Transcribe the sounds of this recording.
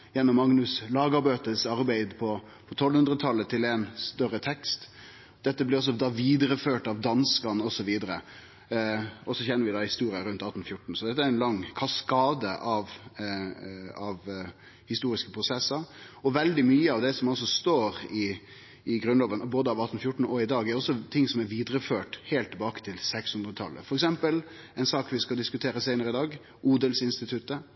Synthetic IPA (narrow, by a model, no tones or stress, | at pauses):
jɛnːɔmːɑŋnʉslɑːɡɑɾbøːt̪əsɑɾbæɪd̪pʰɔ | pʰɔt̪ʰɔlːhʉnd̪ɾət̪ʰɑlːət̪ʰɪlɛnst̪œɾət̪ʰɛkst̪ | d̪̥ɛt̪ːəblɪɾɔs̬ɔd̪ɑːʋiːd̪ɾəføːʈɑʋd̪ɑnskɑnəɔsɔʋiːd̪əɾə | ɔsɔçɛnːəɾʋɪd̪ɑːhɪst̪uːɾɪəɾʉnt̪ɑt̪n̩fjʊʈːɳ̩sɔd̪ɛt̪ːəæɾɛnlɑŋːkʰɑskɑːd̪əʔɑʋ | ɑʋ | hɪst̪uːɾɪskəpʰɾʊsɛsəɾɔʋɛld̪ɪmyːəɑʋd̪ɛsɔmɑls̬ɔst̪oːɾɪ | ɪɡɾʉnloːʋənɔboːd̪əɑʋɑt̪ːn̩fjʊʈːɳ̩ɔɪd̪ɑːɡɛɾɔsːɔt̪ʰɪŋsɔmæɾʋiːd̪ɾəføːʈhɛːlt̪ʰːɛbɑːkə̥t̪ʰɪlsɛkshʉnd̪ɾət̪ʰɑ̰lːə̰fɔɾɛksɛmpəl | ɛɪnsɑːkʋɪskɑld̪ɪskʉt̪ʰeːɾəsæɪnəɾəɪd̪ɑːɡ | uːd̪əlsɪnst̪ɪt̪ʰʉt̪ːə